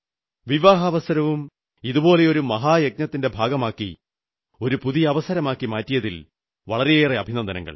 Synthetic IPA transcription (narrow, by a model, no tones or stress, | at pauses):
ʋiʋaːɦɐʋɐsɐɾɐʋum | iðubo̞ːle̞o̞ɾumɐɦaːjɐɡ̚nɐt̪ːinde̞bʱaːɡɐmaːkːḭ | o̞ɾupuðijɐɐʋɐsɐɾɐmaːkːimaːtːijɐðil | ʋɐɭɐɾejeːreɐbʱinɐnd̪ɐnɐ̰ŋːɐ̰ɭ